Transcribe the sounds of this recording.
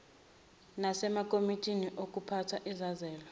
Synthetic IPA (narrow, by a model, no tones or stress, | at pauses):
nasɛmakʼomitʼʰiniʔokʼupʰatʰwaʔizazɛːlɔ